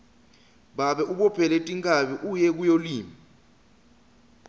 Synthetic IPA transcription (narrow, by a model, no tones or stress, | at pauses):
ɓaɓɛʔuɓɔpʰɛletʼiŋkʼaɓiʔujɛk̬ujoliːmi